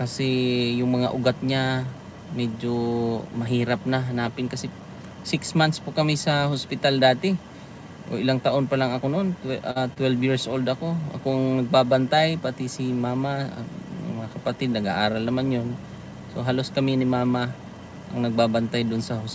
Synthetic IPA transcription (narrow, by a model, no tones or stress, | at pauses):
kɐsɛjʊŋmɐŋa̰ʔʊɡat̪̚ɲa | mɛd͡ʒomɐɦiːɾɐp̚nɐɦɐnaːpɪnkɐsɛ | sɪksmant̪spʊkɐmɪsɐɦospɪt̪ald̪aːt̪ɪ | ʔoʔɪlaŋt̪ɐʔo̞npɐlaŋɐkononʔat̪wɛlbjiɹsʔold̪ʔɐko̞ʔɐ̰koʔɐŋnɐɡ̚baːbɐnt̪ajpat̪ɪsɪmaːmaɐ̰ɐ̰mɐŋakɐpɐt̪ɪd̪̚nɐɡa̰ʔaːɾɐlnɐmanjon | so̞ɦalo̞skɐmɪnɪmaːma | ʔɐŋnɐɡ̚baːbant̪ajd̪oʊʔonsɐhos